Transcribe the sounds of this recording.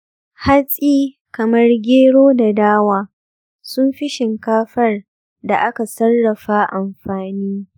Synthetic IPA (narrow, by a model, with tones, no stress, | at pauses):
ha˦sʼiː˦ | kɐ˨mɐ˦rɡʲeː˦ɽoː˦da˨daː˦waː˦ | sʊ˦mɸɪ˦ʃɪ˨ŋkaː˦ɸɐ˦r | da˨ʔa˦ka˨sɐ˦rːɐ˨ɸaː˦ʔa˨mɸaː˨niː˦